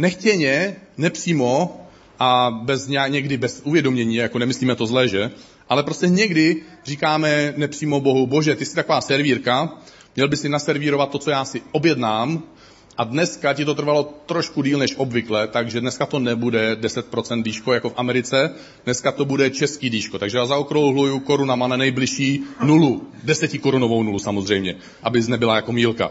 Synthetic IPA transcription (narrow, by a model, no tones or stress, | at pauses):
nɛxcɛɲɛnɛpr̥iːmo̞ | ʔabɛzɲaɲɛɡdɪbɛsuvjɛdomɲɛɲiːjakonɛmɪsliːmɛt̪o̞zlɛːʒɛ | ʔalɛpɾoscɛɲɛɡdɪr̝iːkaːmɛnɛpr̝̥iːmo̞bo̞ɦubo̞ʒɛt̪ɪsɪt̪akovaːsɛɾviːɾka | mɲɛlbɪsɪnasɛɾviːɾo̞vat̪ːot͡sojaːsɪʔo̞bjɛdnaːm | ʔadnɛskacɪt̪o̞t̪r̩valo̞t̪ɾoʃkudiːlnɛʃʔo̞bvɪklɛt̪aɡʒɛdnɛskat̪o̞nɛbudɛdɛsɛt̪̚pɾo̞t͡sɛnt̪diːʃko̞jako̞fʔamɛɾɪt͡sɛ | dnɛskat̪o̞budɛt͡ʃɛskiːdiːʃkot̪aɡʒɛjaːzaokɾowɦlujuko̞ɾunamananɛjblɪʃiːnuludɛsɛcɪko̞ɾunovownulusamozr̝ɛjmɲɛ | ʔabɪznɛbɪlajako̞miːlka̰